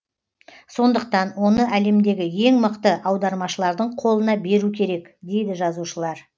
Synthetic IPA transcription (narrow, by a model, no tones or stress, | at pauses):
so̞nd̪əq̚t̪ɑnwo̞nəʔæle̞md̪e̞ɡʲɪje̞ŋməqt̪əʔɑwd̪ɑɾmɑʃəlˠɑɾd̪əɴqʰo̞lˠənɑbe̞ɾukʲʰe̞ɾe̞kd̪e̞jd̪ɪʒɑzuʃəlˠɑɾ